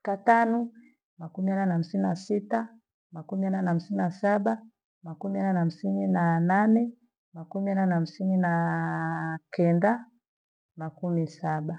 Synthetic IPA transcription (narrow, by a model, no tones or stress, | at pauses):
katanɔ | makumiananam̩sininasita | makumiananam̩sininasaɓa | makumiananam̩sininananɛ | makumiananam̩sinina | kɛnda | makumisaɓa